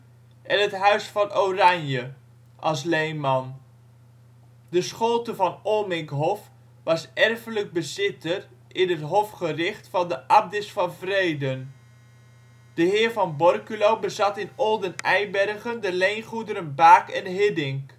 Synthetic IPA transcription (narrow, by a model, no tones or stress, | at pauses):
ʔɛnətɦœɥsfɑnowrɑɲjə | ʔɑlˠs̬lejmɑn | dəsχolˠtəvɑnoːmɪŋkɦɔf | ʋɑsɛrfələɡ̚bəzɪtər | ɪnɦətɦɔfχərɪχtfɑndəʔɑb̚dɪsfɑnvrejdən | d̥əɦɪːɹvɑnbɔrkylowbəzɑtɪnɔlˠdənɛjbɛrχəndəlejnχudəɾənbaːkɛnɦɪdɪŋk